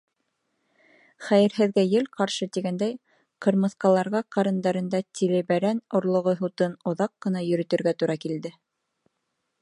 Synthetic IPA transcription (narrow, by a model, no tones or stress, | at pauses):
χæjɘ̆ɾɦɘ̆ðɡæjɘlqɑɾʃɤt̪iɡænd̪æj | qɤ̆ɾmɤ̆θqɑlˠɑɾʁɑqɑɾɤ̆nd̪ɑɾɤ̆nd̪ɑt̪ʲʰilɘβæɾænŏɾlˠŏʁoɦut̪ɤnŏðɑqːɤ̆nɑjɵ̆ɾɵ̆t̪ɵ̆ɾɡæt̪uɾɑkild̪ɘ